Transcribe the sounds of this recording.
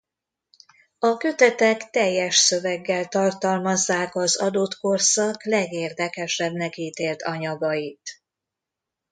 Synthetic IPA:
ɒkø̞t̪ɛt̪ɛkt̪ɛjːɛʃsø̞vɛɡːɛlt̪ɒrt̪ɒlmɒzːaːkɒzɒd̪ot̪ko̞rsɒklɛɡeːrd̪ɛkɛʃɛbnɛkiːt̪eːlt̪ʰɒɲɒɡɒit̪

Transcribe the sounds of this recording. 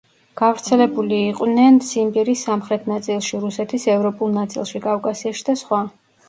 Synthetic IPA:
ɡ̥avɾt̪sʰɛlɛbuliːqʼwnɛnsimbiɾisamχɾɛt̪ʰnat̪sʼilˠʃiɾusɛt̪ʰisɛvɾɔpʼulˠnat̪sʼḭlˠʃikʼavkʼasiaʃi̥d̪asχwa

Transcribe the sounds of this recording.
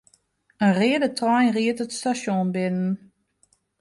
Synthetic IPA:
ənrɪədətrɔjriətətstasjɔ̃nbɪnən

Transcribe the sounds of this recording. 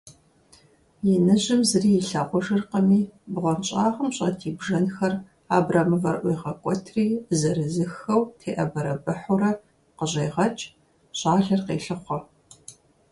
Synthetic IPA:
jɛnɨʑɪmzɨriːjɪɬaːqʷɔʒɨrqəmiːbʁʷɔnt͡ʃʼaːʁəmɕʼɐ̰tʰiːbʒɐnxɐr | aːbraːmɨvɐrʔʷijʁɐkʷʼɔtʰriːzɐɾɨzɨxɐwtʰeːʔɐbɐɾɐbɨħʊɾɐ | qəʑejʁɐt͡ʃʼ | ɕʼaːɮɐrqḛːɬɨχʷɔ

